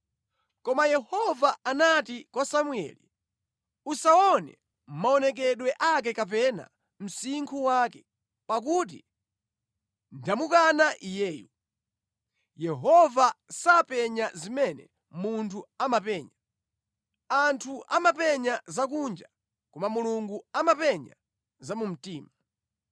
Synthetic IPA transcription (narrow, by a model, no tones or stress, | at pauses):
kɔmajɛhɔvaanatikwasamuɛ̰lḭ | usaɔnɛ̰ | m̩maɔnɛk̬ɛɗwɛʔak̬ɛkap̬ɛna̰ | m̩siŋkʰuwaːkɛ | pak̬ut̬ḭ | ndamukanaʔijɛːjṵ | jɛɦɔvasapɛɲazimɛnɛ̰ | muntʰuamapɛːɲa | antʰuʔamapɛɲazak̬und͡ʒa | kumamuluŋɡuamapɛɲa | zamum̩tiːma